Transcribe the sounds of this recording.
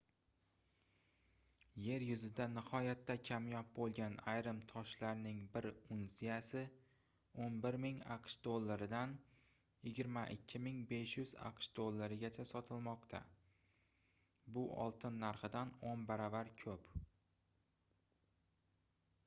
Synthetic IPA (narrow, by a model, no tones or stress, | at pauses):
je̞ɾjʊzɪd̪anɪhɒjat̪ʰːakʲʰamjɒp̚bolˠɡʲanajɾɪmt̪ʰɒʃlaɾnɪŋbɪɾʊnsijasɪ | onbɪɾmɪŋa̰qʃd̪olˠːaɾɪd̪an | jɪɡʲɪɾmaʔɪkʲʰːɪmɪŋbe̞ʃjʊza̰qʃd̪̥olˠːaɾɪɡʲat͡ʃʰasɒt̪ʰɪlˠmɒqt̪ʰa̰ | bʊʔɒ̰lˠt̪ʰɪnːaɾχɨd̪anonbaɾavaɾkʲʰɵp